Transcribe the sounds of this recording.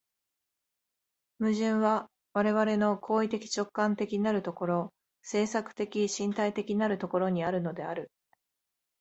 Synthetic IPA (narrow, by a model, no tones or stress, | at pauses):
mɯ̟ʑɨ̃ɰ̃βa | βaɾe̞βaɾe̞no̞kʰo̞ːit̪e̞kʲi̥t͡ɕo̞kːãnt̪e̞kʲinaɾɯ̟t̪o̞ko̞ɾo̞ | se̞ːsakɯ̟̥t̪e̞kʲiɕĩnt̪ait̪e̞kʲiinaɾɯ̟t̪o̞ko̞ɾo̞ɲ̟iaɾɯ̟no̞d̪e̞aɾɯ̟